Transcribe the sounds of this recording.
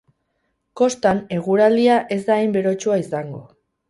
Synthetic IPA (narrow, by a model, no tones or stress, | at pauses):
ko̞st̪ane̞ɣ̞uɾald̪iaʔe̞zd̪ajmbe̞ɾo̞t͡ʃuaisaŋɡo̞̰